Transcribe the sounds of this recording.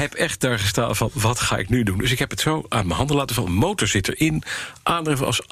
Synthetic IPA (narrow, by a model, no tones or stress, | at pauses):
ɦɛpɛχt̚daːɹχəsta̰ːnvɑnʋɑtχa̰ːʔɪ̰knydundɵsɪkɦɛpɦətsowaːnmənɦɑndəlaːtənvɑnənmowtɔɹz̥ɪtə̰ɹɪnʔaːndrɛfənɑ̰s